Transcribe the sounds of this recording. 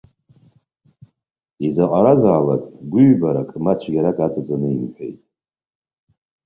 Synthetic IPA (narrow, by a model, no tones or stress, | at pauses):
izaqʼaɾazaːlakʼɡʷʊɥbaɾakʼmat͡ʃʷʰɡʲaɾakʼatʰat͡sʼanɨimħʷᶣḛjtʼ